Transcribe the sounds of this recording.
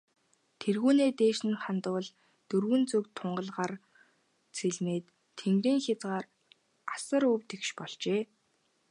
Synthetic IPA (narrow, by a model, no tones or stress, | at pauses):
t̪ʰerɣuːneːt̪eːʃɘ̆nχant̪ʊːɮ | t̪ɵrɣɘ̆nt͡sɵkt̪ʰːʊɴɢə̆ɮʁar | t͡sʰeɮmeːt̪ʰː | eŋɡɾiːŋxʲat͡sʁaːr | asə̆ɾɵwt̪ekʃpɔɮt͡ɕeː